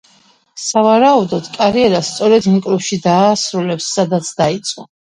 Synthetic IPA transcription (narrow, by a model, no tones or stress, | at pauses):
savaɾaud̪ɔd̪̥kʼaɾiɛɾast̪sʼɔɾɛd̪iŋkʼlupʃid̪aːsɾulɛpsːad̪at̪sʰd̪ait̪sʼqʼɔ